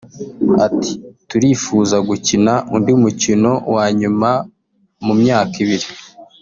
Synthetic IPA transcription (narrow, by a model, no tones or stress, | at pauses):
ati̥tuɾifuːzaɡucinaʔundiumucino̞waːɲuma | mumɲaːkiβiɾi